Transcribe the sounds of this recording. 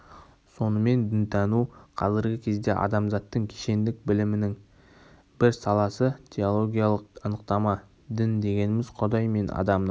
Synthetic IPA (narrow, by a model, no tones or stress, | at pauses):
so̞nəme̞nd̪ɪnt̪ʰɑnuqʰɑzɪɾɡʲɪkʲʰe̞zd̪e̞̰ʔɑ̰d̪ɑmzɑt̪ːəŋkʲʰe̥ʃe̞nd̪ɪk̚bɪlɪmɪnɪŋ | bɪɾsɑlˠɑsət̪ʲʰeo̞lˠo̞ɡʲijalˠəqɑnəqt̪ɑmɑ | d̪ɪnd̪e̞ɡʲe̞nɪmɪzqʰʊd̪ɑjme̞nɑ̰d̪ɑmn